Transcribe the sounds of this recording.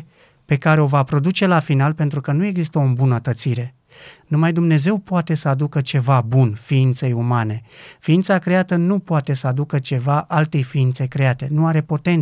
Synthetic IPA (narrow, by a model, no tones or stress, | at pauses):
pe̞kaɾe̞o̞vapɾo̞d̪ut͡ʃe̞lafinalpe̞nt̪ɾukənue̞ɡzist̪əombunət̪ət̪siɾe̞ | numajd̪umne̞ze̞wpoat̪e̞səad̪ukət͡ʃe̞vabunfiint̪se̞jumane̞fiint̪sakɾe̞at̪ənupoat̪e̞səad̪ukət͡ʃe̞vaʔalt̪e̞jfiint̪se̞kɾe̞at̪e̞nuaɾe̞po̞t̪e̞n